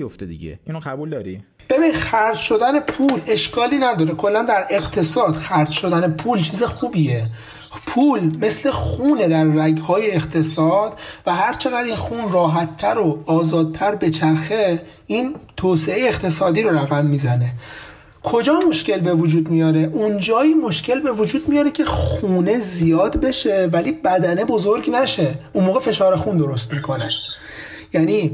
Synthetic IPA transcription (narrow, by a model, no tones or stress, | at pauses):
ijoft̪ed̪ḭɟḛinoχabuːld̪ɒːɾi | b̥e̞binid̪xæɾd͡ʒʃo̞d̪æne̞pʰuːle̞ʃkʰɒːliːnæd̪ɒːɾekʰo̞lːænd̪æɾe̞ɣt̪ʰe̞sɒːd̪̥xæɾd͡ʒʃo̞d̪ænepʰuːlt͡ʃʰiːze̞xuːbije | pʰuːlme̞slexuːned̪æɾːæɡhɒːjeːqt̪ʰe̞sɒːd̪̥væɦæɾt͡ʃʰe̞ɣæd̪iːnxuːnrɒːɦæt̪ʰːæɾoɒːzɒːd̪̚t̪ʰæɾbe̞t͡ʃʰæɾxe̞ | iːnt̪ʰoːseejeːxt̪ʰe̞sɒːd̪iːɾo̞ɾæɣæmːiːzæne̞ | kʰo̞d͡ʒɒːmo̞ʃce̞lbe̞vod͡ʒuːd̪mijɒːɾe̞ʔund͡ʒɒːiːmo̞ʃcʰe̞lbe̞vod͡ʒuːd̪mijɒːɾecʰe̞xuːne̞zijɒːd̪be̞ʃe̞væliːbæd̪æne̞bo̞zo̞ɾɡnæʃe̞ʔunmoːɣefe̞ʃɒːɾexund̪o̞ɾo̞st̪miːkʰo̞næ | jæniː